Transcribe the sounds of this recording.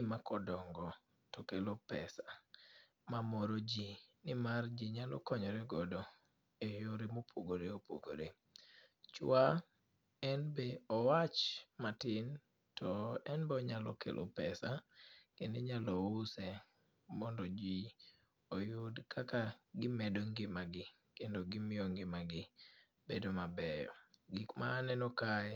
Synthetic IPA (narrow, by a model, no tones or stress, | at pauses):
ɪmakɔdɔŋɡɔ | tɔkelopɛ̰sa | mamɔɾod͡ʒinɪmard͡ʒiɲalɔ̰kɔɲɔɾeɡɔdɔ | ejoɾemopʰoɡoɾeopo̰ɡo̰ɾe | t͡ʃwa | ɛnbeɔwat͡ʃmatɪn | tɔɛnbɛɔɲalɔkḛlʔo̰pɛsakendeɲalɔʊsɛ | mɔndɔd͡ʒi | ojʊdkʰakaɡɪmɛdoŋɡɪmaɡɪ | kendoɡɪmɪɔŋɡɪmaɡɪ | bedomabɛjɔ̰ɡɪkmaːnɛnɔkaɛ